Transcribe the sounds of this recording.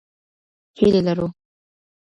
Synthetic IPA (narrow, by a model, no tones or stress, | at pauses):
helelaɾu